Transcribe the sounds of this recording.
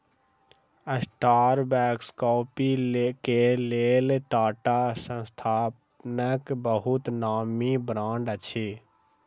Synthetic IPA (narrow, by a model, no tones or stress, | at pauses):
əsʈaːɾbɛːkskɔːpikeleːlʈaːʈaːsə̃st̪ʰaːp | nəkbəɦʊt̪naːmibɾãːɳɖət͡ʃʰeː